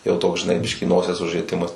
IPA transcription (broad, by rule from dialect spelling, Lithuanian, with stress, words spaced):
jɛʊ ˈtoːks ʒʲɪˈnɐɪ ˈbʲɪʃʲkʲiː ˈnoːsʲiɛs ʊʒʲrʲiɛˈtʲɪmɐs